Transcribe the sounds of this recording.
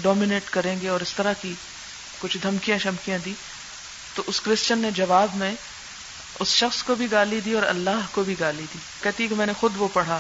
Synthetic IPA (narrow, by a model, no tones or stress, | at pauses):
ɖɔːmineːʈkɐɾẽːɡeɔːɾɪst̪ɐɾaki | kʊt͡ʃʰd̪ʱɐmkijãʃɐmkijãd̪iː | t̪oʔʊskɾɪst͡ʃənːed͡ʒɐʋaːbmẽ | ʊsʃɐxskobʱiɡaːlid̪iɔːɾɐ̰lːaːɦkobʱiɡaːlid̪iːkɛɦt̪iɦekemɛ̃ːnexʊd̪ʋopɐɽ̤a